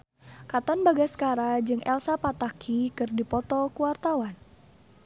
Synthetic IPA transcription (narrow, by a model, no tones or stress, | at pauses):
kat̪anbaɡaskaɾad͡ʒɨŋʔɛ̰lsapat̪akʰikɨrdipɔt̪ɔkuwart̪awan